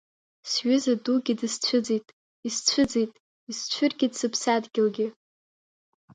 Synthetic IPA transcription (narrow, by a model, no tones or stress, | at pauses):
sɥʏzaduɡʲɪdɨst͡sʷʰʊd͡zetʼ | ist͡ɕʷʰʊd͡zejtʼ | ist͡ɕʷʰʊrɡʲɪdsɨpʰsadɡʲɪlɡʲɪ